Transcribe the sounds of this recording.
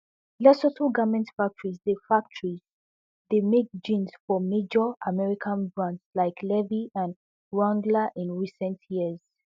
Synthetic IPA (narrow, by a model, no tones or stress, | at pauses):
lɛsɔtʰəɡamɛ̃ntfak̚tʰəɹizðefak̚tʰəɹiz | ðemek̚d͡ʒĩnz̥fɔmed͡ʒɔʔamɛɹikʰãnbɹãntslaɪkʰlɛviãn | ɹãndlaʔĩnɹisɛ̃ntʰjiəz̥